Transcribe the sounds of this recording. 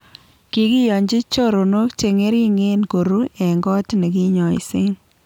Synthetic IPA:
ki˨ki˦jɔ˨ɲd͡ʒi˦t͡ʃo˦ɾo˨no˦kt͡ʃe˨ŋe˦ɾi˦ŋe˦nko˨ɾu˦ɛ˨ŋɡɔ˦tne˨ki˦ɲɔ˨ḭ˦˨sɪ˦n

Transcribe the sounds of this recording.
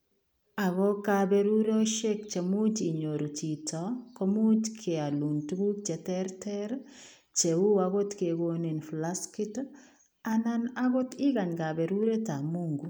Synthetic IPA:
a˨ɣɔ˦ka˦be˦ɾu˦ɾe˦ɔ˦ʃe˦k̚t͡ʃe˨mu˦d͡ʒi˨ɲo˨ɾu˨ti˨tɔ˨ko˦mu˦d͡ʒkʰe˨a˨lu˨ntu˦ɡu˦k̚t͡ʃɛ˨tɛ˦ɾtɛ˦ɾ | t͡ʃe˨u˦aɡo˦tke˨ɡo˦ni˨nfla˦ski˦t | a˦na˦na˦ɡo˦tɪ˦ɡa˨ɲɡa˨bɛ˨ɾu˦ɾe˦ta˨mu˦ŋɡu˨

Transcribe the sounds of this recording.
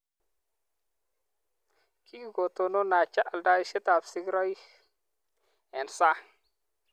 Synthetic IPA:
kʰi˦˨ɡo˨t̪o˨no˦na˨t͡ʃa˦ʔa˨lda˦i˦ʃe˦t̪a˨psɪ˦ɡɾɔ˦i˦ | ɛ˨nsa˦

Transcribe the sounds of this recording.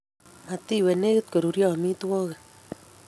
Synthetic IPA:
ma˨t̪i˦˨wɛ˨ne˦ke˦t̪̚ko˨ɾu˨ɾjɔ˦˨mi˦t̪wɔ˦ɣe˨

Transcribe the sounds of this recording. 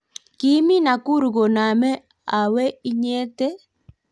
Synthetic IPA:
ki˦mi˦na˨ku˦ɾɡo˨na˨mɛ˦ | a˨we˦i˦ɲe˦te˦

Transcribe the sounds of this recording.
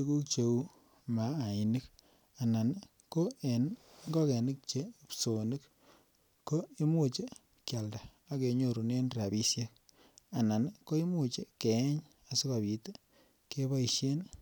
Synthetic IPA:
t͡ʃu˦ku˦k̚t͡ʃe˨u˦ | maː˨˦˨i˨ni˦k̚ | a˨na˨n | ko˦e˨nŋɡɔ˦kɛ˨ni˦k̚t͡ʃe˦pso˨nɨ˦k | kːo˦i˦mu˦t͡ʃe˦ | kja˨lda˨ | a˦ke˨ɲo˨ɾu˨ne˦nra˨bi˦sje˦k̚ | a˨na˨nko˦i˦mu˨t͡ʃe˦kɛ˨˦ɲ | a˨su˦ka˨bi˨te˦ | ke˦ba˦i˨ʃe˦n

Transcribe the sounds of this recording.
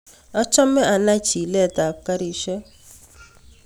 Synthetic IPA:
ɔ˦t͡ʃɔ˦mɛ˦ʔa˧na˦t͡ʃi˨lɛ˦˨ta˨ka˦ɾi˦˨ʃɛ˦

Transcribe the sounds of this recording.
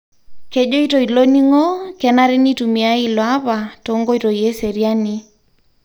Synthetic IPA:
kɛ˨ʄo˦i˦to˨i˨lo˦ni˦ŋo˦kɛ˨na˦ɾɪ˦ni˦tu˨mi˨a˦i˦lɔ˨a˦βa˨to˨˦ŋɡo˦i˦to˨i˨e˦se˨ɾja˦ni˦

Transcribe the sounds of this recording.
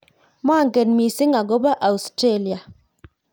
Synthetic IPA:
m˦a˦˨ŋɡe˨nmi˨sɪ˦ŋa˨ɡo˦ba˦ʔa˨u˨stɾe˦li˨a˨

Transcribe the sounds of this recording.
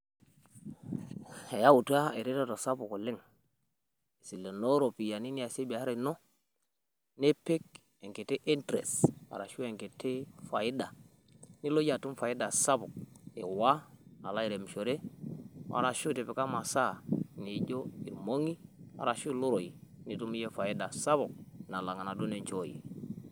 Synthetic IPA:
e˨ja˦u˨tu˦a˦e˨ɾe˦ta˦to˨sa˦bu˨ko˨lɪ˦ŋ | i˨si˨lːe˨no˦ɾo˨pi˨ja˨ni˦ni˦a˨se˦bi˨a˨˦ɾe˨˦no˦ | ne˦pe˦k̚ | e˨ŋke˨te˦ʔi˦ntɾḛ˨sa̰˨ɾa˨ʃu˦e˨ŋke˨tʰe˦fa˨i˦da˨ | ni˦lo˦ja˨tu˦mfa˨i˦da˨sa˦bʊ˨k̚e˨wa˦a˨la˦i˨ɾe˨m˨ʃo˨ɾe˦ | a̰˨ɾa˨ʃu˦te˨pe˨ka˦ma˨sa˦ni˨˦ɟo˦ḭ˨ɾmo˦ŋi˦a̰˨ɾa˨ʃu˦lo˦ɾo˨i˨ni˨tu˦mi˦je˦fa˨i˦da˨sa˦βʊ˨k̚na˨la˨ŋa˨na˨do˦ne˨ɲt͡ʃo˦jḭ˨

